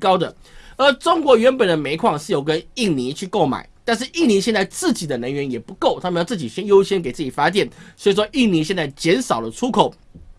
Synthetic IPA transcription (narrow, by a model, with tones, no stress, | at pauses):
kɑ˥ʊd̪ə̰˨ | ə˞˧˥ʈ͡ʂʊ˥ŋkwɔ˧˥ɥɛ˧˥npə˨˩nd̪ə˦me˧˥ɪkʰwɑ˨˩ŋʂɻ̩˥˩jo˨˧˩ʊkə˦ni˥˩ŋni˧˥t͡ɕʰy˥˧ko˥˩ʊma̰˨˩˦ɪt̪a˥˧nʂ̬ɻ̩˥˩ʔi˥˩ŋni˧˥ɕjɛ˥˧nt͡sa˥˧ɪt͡sɹ̩˥˩t͡ɕi˨˩d̪ə˦nə˧˥ŋɥɛ˧˥njɛ˨˩pu˧˥ko˥˩ʊt̪ʰa˥mə˧jt͡sɹ̩˥˩t͡ɕi˨˩ɕjɛ˥njo˥ʊɕjɛ˥nke˨˩ɪt͡sɹ̩˥˩t͡ɕi˨˩fa˥t̪jɛ˥˩nsɔ˥˧˩wɔ˥ʔi˥˩ŋni˧˥ɕjɛ˥˧nt͡sa˥˩ɪt͡ɕjɛ˧˥nʂɑ˨˩ʊlə˦ʈ͡ʂʰu˥kʰo˨˩ʊ